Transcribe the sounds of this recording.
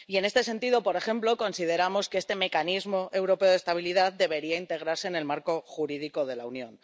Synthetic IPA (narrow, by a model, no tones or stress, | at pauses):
ie̞ne̞st̪ese̞nt̪iðo̞po̞ɾe̞xe̞mplo̞ko̞nsið̞e̞ɾamoskeest̪e̞me̞kanizmo̞ʔe̞wɾo̞pe̞oð̞e̞st̪aβ̞iliðat̚d̪e̞βe̞ɾiaint̪e̞ɣ̞ɾaɾse̞ːne̞lmaɾko̞xuɾiðiko̞ðe̞launjõ̞̰n